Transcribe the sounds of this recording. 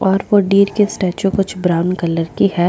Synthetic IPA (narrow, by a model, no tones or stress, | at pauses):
ɔːɾʋoɖiːɾkesʈɛːt͡ʃõkʊt͡ʃʰbɾaːʊnkɐləɾkiɦɛː